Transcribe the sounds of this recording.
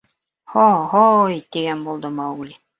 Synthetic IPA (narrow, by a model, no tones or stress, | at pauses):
hoɦojt̪iɡænbulˠd̪ɤmɑulʲi